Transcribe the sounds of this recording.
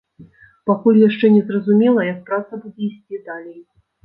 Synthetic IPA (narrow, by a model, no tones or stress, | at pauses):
pakɔlʲijaʂt͡ʂɛnʲɛzrɐzumʲɛlˠɐjɐk̚pɾat̪sɐbud͡zʲɛisʲt͡sʲid̪alʲej